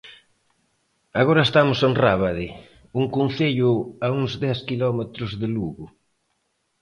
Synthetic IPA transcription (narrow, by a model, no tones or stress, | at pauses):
aɣoɾɐest̪amʊsenraβaðɪ | uŋkunθeʎʊauŋzd̪ɛskilɔmet̪ɾʊzðɪluɣʊ